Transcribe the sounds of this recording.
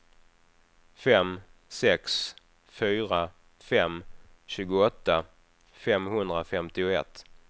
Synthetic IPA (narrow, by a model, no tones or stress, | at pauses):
fɛmsɛks | fyːɾa | fɛm | ɕʉ̟ːɡʊɔt̪ːa | fɛmhɵnd̪ɾafɛmt̪ɪʊɛ̰t̪ː